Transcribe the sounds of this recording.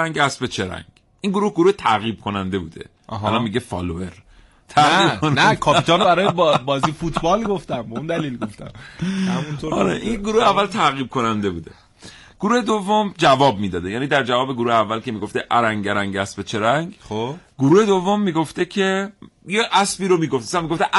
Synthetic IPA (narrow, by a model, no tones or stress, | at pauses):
æŋɡæsbet͡ʃʰeɾæ̰ŋɡ | ʔiŋɡoɾuhɡoɾuːhet̪ʰæɣiːb̥̚kʰonænd̪e̞bṵːd̪e̞̰ʔɦælɒnmiːɟefɒ̰ːloeɾ | t̪ʰæɣiːbʰonnækʰɒːpit̪ɒnbæɾɒːjebbɒːziːfut̪bɒlɡoft̪æmbeund̪æliːlɡoft̪æ̰mhæmunt̪oɒ̰ɾḛʔinɡoɾuːheævːælt̪ʰæɣiːb̚kʰo̞nænd̪e̞buːd̪e̞̰ | ɡ̥oɾuːhed̪ovːomd͡ʒævɒːb̚miːd̪ɒːd̪ejæːniːd̪æɾd͡ʒævɒːbeɡoɾuːheævːælkʰe̞miːɡo̞ft̪eʔæɾæŋɟeɾæŋɟæsbet͡ʃʰeɾæŋɡχoɡoɾuːhe̞d̪ovːomːiːɡoft̪ecʰe̞jeʔæsbiːɾomiːɡoft̪sæmːiɡoft̪eʔ